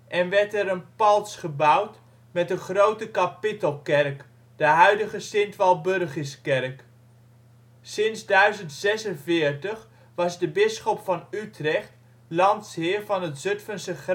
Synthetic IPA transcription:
ʔɛnʋɛɹtɛɾənpɑlˠsχəbʌwt | mɛtdəχrowtəkapɪtəlˠkɛɹk | d̥əɦœɥdəχəsɪntʋɑlˠbørχəskɛɹk | sɪnzdœɥzəntsɛsənvɪːɹtəχ | ʋɑzdəbɪsχɔpfɑnytrɛχt | lɑntsɦɪːɹvɑnətzɵtfənsəχ

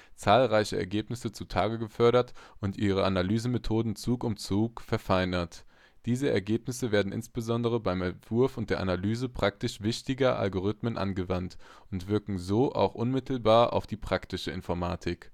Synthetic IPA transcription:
t͡saːlʁaɪçəʔɛ̰ɐɡeːpnɪsət͡sutʰaːɡəɡəfœɐɾɐtʔʊntʔiːʁ̞əʔanalyːzəmetʰoːdn̩t͡suːkʊmt͡suːkfɛɐfaɪnɐt | d̥iːzəɛ̰ɐɡeːpnɪsəveːɐdn̩ʔɪ̰nsb̥əzɔndəʁ̞əbaɪmɛntv̥ʊɐfʊnt̚d̥eːɐʔanalyːzəpʁ̥ak̚tɪʃv̥ɪçtɪɡɐʔa̰lɡoʁ̞ɪtmənʔa̰nɡəvant | ʊntv̥ɪɐkŋ̩zoːʔa̰ʊxʔʊnmɪtʰl̩baːɐʔa̰ʊfd̥iːpʁ̥aktɪʃəɪ̰nfɔɐmaːtʰɪk

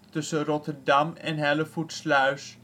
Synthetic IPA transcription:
tɵsərɔtəɹdɑmɛ̰nɦɛləfutslœɥs

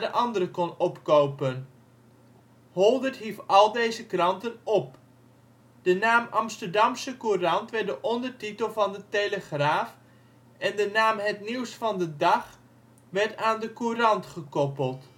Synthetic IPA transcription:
dəʔɑndərəkɔnɔpkowpən | hɔlˠdərtɦifɑlˠdeːjzəkrɑntənɔp | d̥ənaːmɑmstəɹdɑmsəkurɑntʋɛrdəʔɔndərtitəlˠvɑndətejləχraːf | ɛndənaːmɦɛtniwsfɑndədɑχ | ʋɛɹtaːndəkurɑntχəkɔpəlˠt

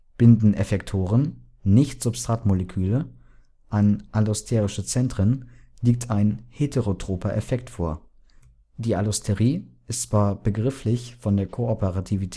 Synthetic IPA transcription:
b̥ɪndn̩ʔɛfɛktʰoːʁən | nɪçtz̥ʊpstʁ̥atmolɛkʰyːlə | ʔanʔalʊstʰɛːʁɪʃət͡sɛntʁ̥ənliːk̚tʰaɪnhetʰeʁotʁ̥oːpɐʔɛfɛk̚tfoːɐ | d̥iːʔalʊstʰeʁiːɪstt͡sv̥aːɐb̥əɡʁɪflɪçfɔndeːɐkʰoɔpəʁatʰivitʰ

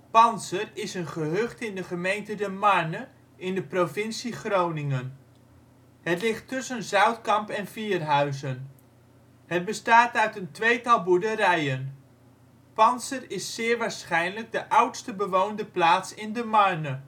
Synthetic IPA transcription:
pɑnsərɪsənχəɦøχtɪndəχəmejntədəmɑɹnə | ɪndəprovɪnsiχrownɪŋən | ɦətlɪχtɵsənzœɥtkɑmpɛnfiːrɦœɥzən | ɦəd̚bəstaːtœɥtəntʋejtɑlˠbuɹdəɾɛjən | pɑnsərɪsːɪːɹʋaːɹsχɛjnləɡ̚dəʔʌwtstəbəʋowndəplaːtsɪndəmɑɹnə

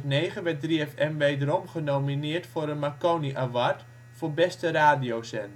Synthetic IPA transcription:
tnejχəʋɛt̚driɛfɛmʋejdəɾɔmχənowminɪːɹtfʊːɾənmakoniʔaʋaɹt | fʊːbɛstəraːdijowsɛn

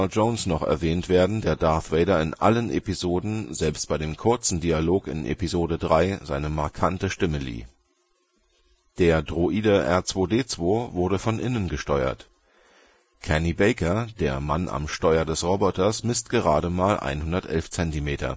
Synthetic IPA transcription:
lʒ̥oʊnsnɔχɛ̰ɐvɛːntv̥eːɐdn̩deːɐdaɐθʁ̥eɪɾɐɪnʔa̰lənʔḛpizoːdn̩zɛlpst̚b̥aɪɾeːmkʰʊɐt͡sn̩dialoːkɪ̰nʔḛpizoːdədʁaɪzaɪnəmaɐkʰantəʃtɪməlḭː | d̥eːɐdʁoʔiːdəʔɛɐt͡sv̥oːdeːt͡sv̥oːvʊɐɾəfɔnʔɪnənɡəʃtɔʏɐ̰t | kʰɛnibɛɪkɐdeːɐma̰nʔa̰mʃtɔʏɐdɛsʁɔbɔtɐsmɪstɡ̥əʁ̞aːɾəmaːlʔa̰ɪnhʊndɐtʔɛ̰lft͡sɛntimeːtʰɐ̰

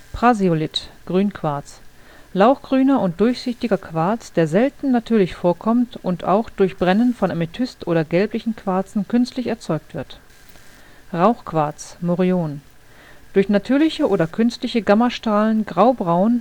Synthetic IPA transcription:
pʁ̥aziolɪtɡ̥ʁyːnkʰv̥aɐt͡s | laʊxɡ̥ʁyːnɐʊnt̚d̥ʊɐçz̥ɪçtɪɡɐkʰv̥aɐt͡sd̥eːɐzɛltn̩natʰyːɐlɪçfoːɐkʰɔmtʔʊnta̰ʊxd̥ʊɐçb̥ʁɛnənfɔnamɪtʰʏstʔoːɾɐɡɛlplɪçn̩kʰv̥aɐt͡sn̩kʰʏnstlɪçɛɐt͡sɔʏk̚tv̥ɪɐt | ʁaʊxkv̥aɐt͡smoʁioːn | d̥ʊɐçnatʰyːɐlɪçəʔoːdɐkʰʏnstlɪçəɡamɐʃtʁaːlənɡʁaʊbʁaʊn

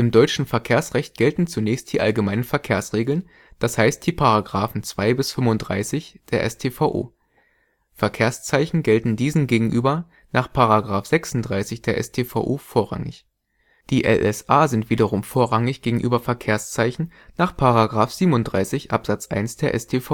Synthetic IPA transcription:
ʔɪmdɔʏt͡ʃn̩fɛɐkʰeːɐsʁɛçt̚ɡ̥ɛltn̩t͡sunɛːçst̚d̥iːʔalɡəmaɪnənfɛɐkʰeːɐsʁ̥eːɡl̩n | d̥ashaɪst̚d̥iːpʰaʁaɡʁaːfn̩t͡sv̥aɪbɪsfʏmʊndʁa̰ɪsɪçd̥eːɐʔɛ̰stʰeːfaʊʔo̰ː | fɛɐkʰeːɐst͡saɪçn̩ɡɛltn̩diːzn̩ɡeːɡŋ̩ʔyːbɐ | naːχpʰaʁaɡʁaːfz̥ɛksʊn̩td̥ʁaɪsɪçd̥eːɐʔɛ̰stʰeːfa̰ʊʔoːfoːɐʁa̰ŋɪ̰ç | d̥iːʔɛ̰lʔɛsʔaːzɪntv̥iːdɐʁʊmfoːɐʁaŋɪçɡ̥eːɡŋ̩ʔyːbɐfɛɐkʰeːɐst͡saɪçn̩ | naːχpʰaʁaɡʁaːfz̥iːbmʊntd̥ʁaɪsɪçʔa̰pz̥at͡sʔa̰ɪnsd̥eːɐʔɛ̰stʰeːfa

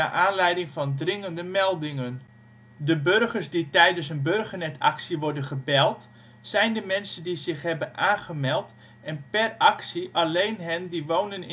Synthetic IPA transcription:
a̰ːʔaːnlɛjdɪŋfɑndrɪŋəndəmɛlˠdɪŋən | dəbørɣərsditɛjdəns̬ənbørɣənɛtʰɑ̰ksiʋɔɹdənχəbɛlˠt | sɛjndəmɛnsəndizɪχɦɛbənʔaːχəmɛlˠt | ɛnpɛrɑksiʔalejnɦɛndiʋownənɪ

